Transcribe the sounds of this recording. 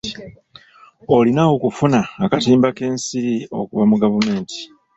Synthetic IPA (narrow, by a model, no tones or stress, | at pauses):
o̞linaokufunaːkatiːmbake̞ːnsiɾio̞̰kuβamuɡavume̞ːnti̥